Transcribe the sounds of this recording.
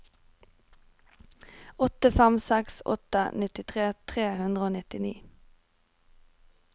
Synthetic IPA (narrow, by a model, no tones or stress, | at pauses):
ɔt̪əfæmsɛksɔ̰t̪ə̰nɪt̪ɪt̪ʰʁeːt̪ʰʁeːhʉnd̪ʁəoːnɪt̪ɪniː